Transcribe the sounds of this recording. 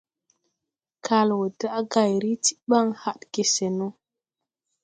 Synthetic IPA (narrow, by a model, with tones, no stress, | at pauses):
kʰa˨lwo˨da˦ʔɡa˨jɾi˦ti̥˦ɓa˦ŋha˦ɗke˨se˨no˦